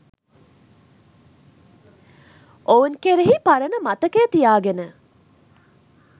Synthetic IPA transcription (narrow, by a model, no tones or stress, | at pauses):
ʔounkeɾeɦipaɾənəmɐt̪ɐkeːt̪ijaːɡenə